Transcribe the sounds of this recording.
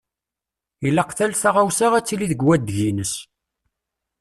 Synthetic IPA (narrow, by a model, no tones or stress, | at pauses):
jilːæqθælθaʁawsaʁæt͡sːiliðəɡwæd̪ʝinəs